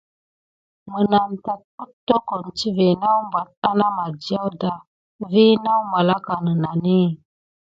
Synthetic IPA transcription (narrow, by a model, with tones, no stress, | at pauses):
mə˨na˨nta˨ku˦tːo˦ko˨n˨t͡ʃi˦ve˨na˦wmba˨t̚a˦na˦ma˨d͡ʒa˦wda˨ | vi˦na˦wma˨la˦ka˨nə˨na˨ni˦